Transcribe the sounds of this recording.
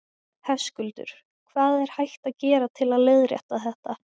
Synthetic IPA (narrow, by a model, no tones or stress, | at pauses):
hɛfskʏlt̪ʏ̰ɾ̥ | kʰvaːðɛɾ̥hajht̪aðcɛːɾat̪ʰɪlaðlɪðɾjɛ̰ht̪aθɛht̪a